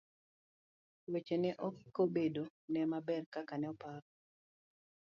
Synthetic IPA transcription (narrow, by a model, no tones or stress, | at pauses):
wet͡ʃenɛʔɔkːobedonɛmabɛrkakanɛɔpaɾɔ